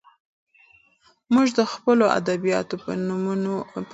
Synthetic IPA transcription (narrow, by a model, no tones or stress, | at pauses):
muʒd̪əxpəloʔa̰d̪abijɑ̰t̪opənmo